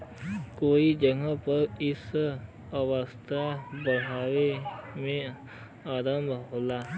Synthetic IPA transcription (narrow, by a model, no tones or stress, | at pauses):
koːid͡ʒəɡãpəɾɪs | əwəst̪ʰabəɽɦaːwemẽ | aːɾə̃mbʱɦoːlaː